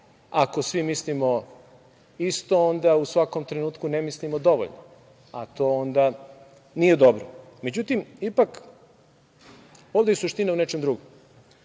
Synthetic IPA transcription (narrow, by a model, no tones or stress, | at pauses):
akosʋimislimo̞ | ist̪o̞ond̪ausʋako̞mt̪ɾenuːt̪kunemislimod̪o̞ʋo̰ʎno̰ | a̰t̪o̞ond̪a | nije̞d̪o̞bɾome̞d͡ʑut̪imipak | ovd̪eisuʃt̪inaunet͡ʃemd̪ɾuɡom